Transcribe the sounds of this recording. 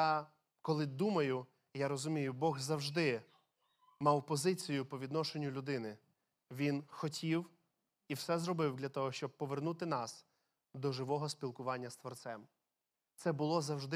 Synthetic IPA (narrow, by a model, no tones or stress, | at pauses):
ja | kɔlˠɪd̪umɐjʊ | jaɾɔzʊmʲijʊbɔɣzɐwʒd̪ɪ | mɑwpɔzɪt͡sʲijʊpɔʋʲid̪nɔʃenʲːʊlʲʊd̪ɪnɪ | ʋʲinxɔtʲiw | iwsɛzrɔbɪwd̪lʲɐt̪ɔɦɔʃt͡ʃɔb̚pɔʋernut̪ɪnɑs | d̪ɔʒɪʋɔɦɔspʲilˠkʊʋɑnʲːɐst̪ʋɔrt̪sɛm | t̪sɛbʊlˠɔzɐwʒd̪ɪ